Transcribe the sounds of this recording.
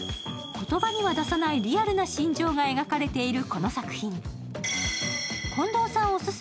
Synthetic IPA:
ko̞t̪o̞baɲ̟iβad̪asanaiɾʲiaɾɯ̟naɕĩɲ̟d͡ʑo̞ːŋae̞ɡakaɾe̞t̪e̞iɾɯ̟ko̞no̞sakɯ̟̥çĩŋ | kʰõ̞nd̪o̞ːsãɰ̃osɨs

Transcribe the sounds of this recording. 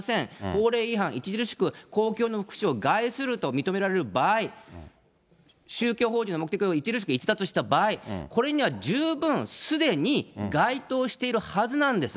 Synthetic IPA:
sẽ̞ŋho̞ːɾe̞ːiɦãɰ̃it͡ɕiʑiɾɯɕi̥kɯ̟ko̞ːkʲo̞ːno̞ɸɯ̥kɯ̥ɕio̞ɡaisɨɾɯ̟t̪o̞mʲit̪o̞me̞ɾaɾe̞ɾɯ̟baːi | ɕɨːkʲoːɦo̞ːʑinomok̟t̪ekʲioit͡ɕiʑiɾɯɕi̥kɯit͡ɕi̥t̪at͡sɨɕi̥t̪abaːikʰo̞ɾe̞ɲ̟iβ̞ad͡ʑɨːbɯ̟̃ɰ̃sɨd̪e̞ɲ̟iɡait̪o̞ːɕi̥t̪e̞iɾɯ̟hazɨnãnd̪e̞sɨ̥

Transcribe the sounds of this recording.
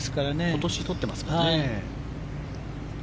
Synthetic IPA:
sɨ̥kaɾane̞t̪o̞ɕit̪o̞t̪ːe̞masɨ̥kae

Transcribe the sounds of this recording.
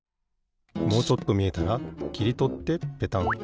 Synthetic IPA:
mo̞ːt͡ɕo̞t̪ːo̞mʲie̞t̪aɾakʲiɾʲit̪o̞t̪ːe̞pe̞t̪ãŋ

